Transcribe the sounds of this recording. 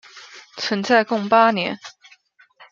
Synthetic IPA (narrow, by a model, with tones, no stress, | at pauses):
t͡sʰwə˧˥nt͡sa˥˧ɪkʊ˥˨ŋpa˥njɛ̰˧˥n